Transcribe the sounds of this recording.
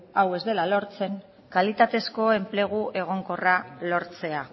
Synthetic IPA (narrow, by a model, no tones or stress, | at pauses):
awe̞zd̪e̞lalo̞ɾt͡se̞ŋ | kalit̪at̪e̞sko̞e̞mple̞ɣ̞uʔe̞ɣ̞o̞ŋko̞ralo̞ɾt͡se̞a